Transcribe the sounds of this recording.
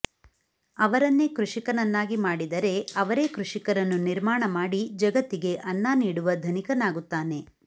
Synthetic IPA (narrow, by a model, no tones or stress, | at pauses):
ɐʋɐɾɐnːekɾuʂikɐnɐnːaːɡimaːɽid̪ɐɾe̞ɐʋɐɾe̞ːkɾuʂikɐɾɐnːuniɾmaːɳɐmaːɽid͡ʒɐɡɐt̪ːiɡe̞ʔɐnːaːniːɽuʋɐd̪ʱɐnikɐnaːɡut̪ːaːne̞